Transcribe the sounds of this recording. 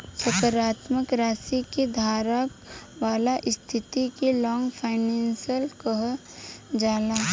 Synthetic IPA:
sʊkəɾaːt̪məkɾaːsikid̪ʱaːɾaʋaːlaʔɪst̪ʰɪt̪ikilɔːŋɡpʰaːɪnɛːnsijəlkəɦ | d͡ʒaːlaː

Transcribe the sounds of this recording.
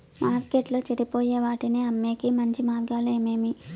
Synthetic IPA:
maːɾkeːʈloːt͡ʃɐɽipo̞ːjeːʋaːʈineːɐmːeːkimɐɲt͡ʃimaːɾɡaːleːmeːmi

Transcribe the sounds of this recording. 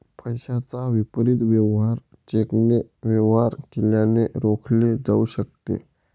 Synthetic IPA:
pʰəjɕat͡saʋipɾit̪ʋɛʋɦaɾ | t͡ɕekneʋjəʋɦaɾkiljaneɾokʰled͡zauɕək̚t̪ḛ

